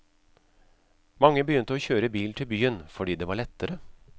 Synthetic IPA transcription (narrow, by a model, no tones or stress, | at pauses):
mɑŋːəbəjʏnt̪əoːçøːɾəbiːlt̪ʰɪlbyːənfɔɖiːd̪eːʋɑːɭɛt̪ːəɾə